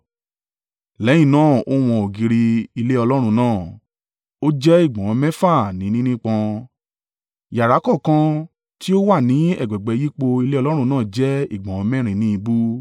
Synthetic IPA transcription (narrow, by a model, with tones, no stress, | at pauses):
lɛ˨˦j̃ĩ˦˨nãː˦˨o˦w̃ɔ̃˧o˨ɡi˧ɾi˧i˧le˦ɔ˧lɔ˦ɾ̃ũ˧nãː˦˨ | o˦d͡ʒɛ˦i˦˨ɡ͡bɔ̃˨ɔ̃˧mɛ̃˦fa˦˨nĩ˨˦nĩ˦nĩ˦k͡pã˧ | ja˨ɾa˨˦kɔ˦˨kã˧˦ | ti˦o˦wa˦˨nĩ˨˦ɛ̰˦˨ɡ͡bɛ˨ɡ͡bɛ˨˧ji˦k͡po˧i˧le˦ɔ˧lɔ˦ɾ̃ũ˧nãː˦˨d͡ʒɛ˦i˦˨ɡ͡bɔ̃˨ɔ̃˧mɛ̃˦ɾ̃ĩ˨˦nĩ˦i˧bu˦